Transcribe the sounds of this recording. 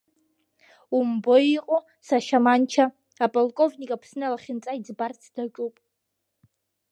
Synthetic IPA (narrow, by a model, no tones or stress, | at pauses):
umbojiqʼo | saʃamant͡ʃʰa | apʼolkʼovnikʼapʰsnɨalaχʲɪnt͡sʼaid͡zbart͡sʰd̥at͡ʃʷʼupʼ